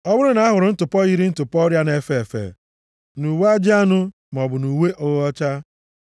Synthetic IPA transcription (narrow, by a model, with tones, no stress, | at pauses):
ɔ˦bʊ˦ɾʊ˦na˨˦a˦ɦʊ˨ɾʊ˨n̩˦tʊ˨pɔ˦ɣi˦ɾi˦n̩˦tʊ˨pɔ˦ɾja˦ne˨fe˦˨fḛ˨ | nu˨wa˦d͡ʒɪ˦a˦nʊ˦ | m˨ɔ˨bʊ˨nu˨we˦ʔo˦ɣɔ˦t͡ʃa˦